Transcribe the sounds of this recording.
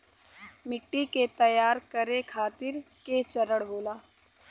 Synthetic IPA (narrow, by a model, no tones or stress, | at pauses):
mɪʈːiket̪ɐjaːɾkəɾekʰaːt̪ɪɾ | ket͡ʃəɾəɽboːlaː